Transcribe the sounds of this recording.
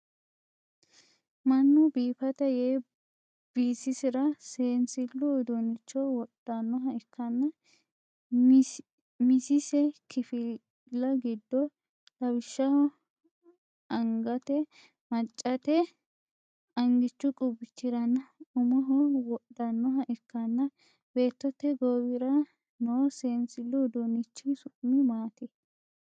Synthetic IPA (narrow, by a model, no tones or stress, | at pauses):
mɐnːʊbiːfɐt̪ɐjeː | b̥iːsɪsɪɾɐseːnsɪlːɔːd̪ɔnɪt͡ʃːɔwɔɗ̥ɐnːɔɦɐɪkʰːɐnːɐ | mɪsɪsɛkʰɪfɪ | lːɐɡɪd̪ːɔ | tɐbɪʃːɐhɔ | ɐŋɡɐt̪ɛ | mɐt͡ʃʼːɐt̪ɛ | ɐŋɡɪt͡ʃːʊkʼʊbɪt͡ʃːɪɾɐnːɐʊmɔɦɔwɔɗːɐnːɔɦɐʔɪkːɐnːɐ | be̞ːt̪ːɔt̪ːɛɡowɪɾɐ | nosensɪlːud̪onɪt͡ʃːɪsʊʔmɪmaːt̪ɛ